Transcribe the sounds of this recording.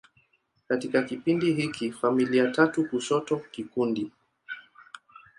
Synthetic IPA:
katikakipindiɦikʰifamiliatatukusɔtɔkikundi

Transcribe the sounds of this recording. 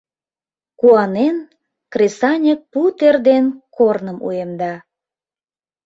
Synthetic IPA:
kuɑnen | kresɑnʲək̚put̪erd̪enkornəmṵemd̪ɑ

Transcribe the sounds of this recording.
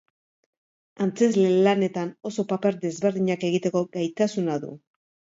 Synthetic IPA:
ant͡se̞zlelane̞t̪ano̞so̞pape̞ɾd̪e̞zβe̞ɾðiɲake̞ɣ̞it̪e̞ko̞ɡajt̪asunaðṵ

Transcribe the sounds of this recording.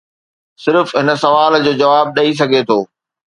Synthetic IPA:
sɪɾfɦɪnə̆sɐʋaːld͡ʑoːd͡ʑɐʋaːb̚ɗɐis̬ɐɡʱet̪ʰoː

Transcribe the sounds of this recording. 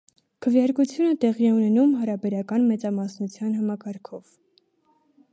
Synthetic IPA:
kʰəvjɑɾkut͡sʰjunət̪ɛʁiɛunɛnumɦɑɾɑbɛɾɑkɑnmɛt͡sɑmɑsnut͡sʰjɑnɦɑmɑkɑɾkʰɔv̥

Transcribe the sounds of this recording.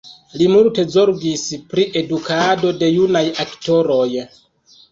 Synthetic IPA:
limulte̞zo̞ɾɡispɾiʔe̞dukado̞de̞junajakto̞ɾoj

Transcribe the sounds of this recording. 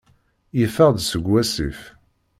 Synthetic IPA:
jəfəʁd̪səɡwæsḭf

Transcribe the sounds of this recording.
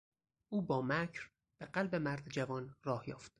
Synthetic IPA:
ʔuːbɒːmæcʰɾ | b̥eɢælbe̞mæɾd̪d͡ʒævɒːnrɒːhjɒ̰ːft̪

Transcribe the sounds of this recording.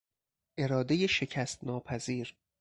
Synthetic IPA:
ʔe̞ɾɒːd̪e̞jeʃe̞cʰæst̪nɒːpʰæziːɾ

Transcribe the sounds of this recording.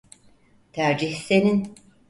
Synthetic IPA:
t̪ʰæɾd͡ʒiçsenin

